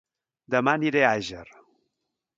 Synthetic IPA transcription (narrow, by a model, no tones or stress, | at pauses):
d̪əmaniɾeaʒəɾ